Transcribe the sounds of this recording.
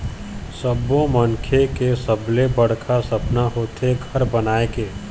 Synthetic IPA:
səbõmənkʰekesəblebəɽ̤kʰasɐpnaɦoːt̪ʰeɡʱɐɾbənaːekeː

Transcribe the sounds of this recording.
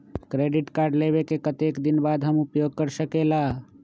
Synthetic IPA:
kɾeɖiʈkaɾɖleβekekət̪ekd̪inbad̪ɦəmupjoɡ̚kəɾsəkela

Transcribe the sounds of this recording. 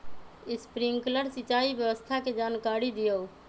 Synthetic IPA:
ispɾiŋkləɾsit͡ʃaibjəbəst̪ʰaked͡ʒankaɾid̪ijəw

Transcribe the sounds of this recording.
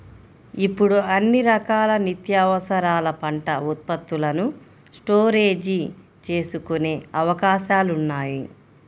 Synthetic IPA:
ipːuɽuɐnːiɾɐkaːlɐnit̪jaːʋɐsɐɾaːlɐpɐɳʈɐut̪̚pɐt̪ːulɐnu | sʈoːɾe̞ːd͡ʒi | t͡ʃe̞ːsukune̞ːɐʋɐkaːʃaːlunːaːji

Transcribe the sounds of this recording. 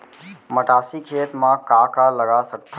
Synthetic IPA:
məʈaːsikʰeːt̪mãkaːkaləɡasək̚t̪ʰː

